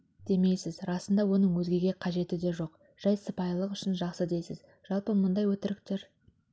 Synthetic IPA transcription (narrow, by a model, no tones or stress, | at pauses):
d̪̥e̞me̞jsɪzɾɑsənd̪ɑwo̞nəɴwɵzɡʲe̞ɡʲe̞qʰɑʒe̞t̪ɪd̪e̞ʒo̞q | ʒ̥ɑjsəpɑjlˠəqʏʃɪnʒɑqsəd̪e̞jsɪz | ʒ̥ɑlˠpəmʊnd̪ɑjwɵt̪ɪɾɪkt̪e̞ɾ